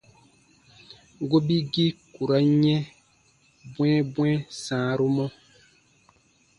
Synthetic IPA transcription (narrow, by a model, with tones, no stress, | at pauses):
ɡo˦bi˦ɡi˦ku˨ɾa˦ɲɛ̃˦ | bw̃ɛ̃˦bw̃ɛ̃˦sãː˨˦˨ɾu˦mɔ˦